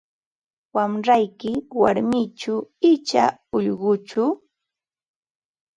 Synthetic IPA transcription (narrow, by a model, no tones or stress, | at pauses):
wamɾajkɪwaɾmɪt͡ʃʊɪt͡ʃa̰ʊʎɢʊt͡ʃʊ